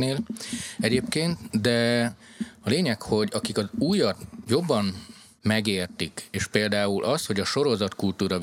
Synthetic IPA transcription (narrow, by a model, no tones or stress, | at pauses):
neːlɛɟeːpkeːnt̪d̪ɛ | ɒleːɲɛkho̞ɟɒkikɒzuːjɒt̪jo̞bːɒm | mɛɡeːrt̪ikeːʃpeːld̪aːulʔɒst̪ho̞ɟɒʃo̞ɾo̞zɒt̪kult̪uːɾɒ